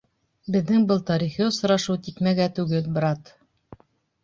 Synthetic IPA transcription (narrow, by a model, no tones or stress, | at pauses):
bɘ̆ðːɘŋbɤlˠt̪ɑɾiχiosŏɾɑʃuwt̪ikmæɡæt̪ʉɡɘlbɾɑt̪